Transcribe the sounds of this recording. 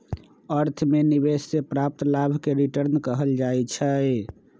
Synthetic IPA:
əɾt̪ʰmenibesːepɾap̚t̪labʱkeɾiʈəɾnkəɦəld͡ʒajt͡ʃʰəj

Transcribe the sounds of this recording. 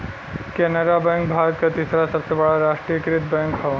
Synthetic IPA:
kenəɾabɛ̃ŋkbʱaːɾət̪̚kat̪isɾasɐpsəbaɭaɾaːʂʈɾijəkɾit̪̚bɛ̃ŋkɦa

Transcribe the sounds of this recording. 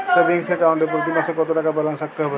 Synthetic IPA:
sebiŋsekawɳʈepɾɔt̪̬imasɔkɔt̪oʈakapalansak̚t̪ɔɦbɔ

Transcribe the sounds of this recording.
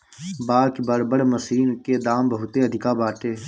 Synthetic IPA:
baːkbəɽbəɽməsiːnʊkːeːd̪aːmbəɦut̪eːəd̪ʱɪkaːbaːʈeː

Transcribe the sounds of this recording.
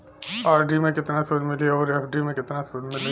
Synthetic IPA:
aːɾɖimẽkɪt̪nasonmɪlieoːɾɛfʰɖimẽkɪt̪nasoːnmɪle

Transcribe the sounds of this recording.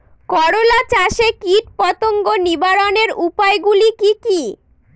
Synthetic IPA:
kɔɽolat͡ɕaʃekiʈpɔt̪oŋɡonibaɾoneɾupaeɡulikiki

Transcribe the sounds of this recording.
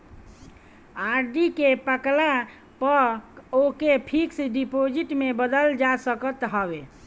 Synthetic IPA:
aɾɖikepəkla | pəɾokepʰiksɖipod͡ʒiʈmebəd̪əld͡ʒasəkət̪ɦəbe

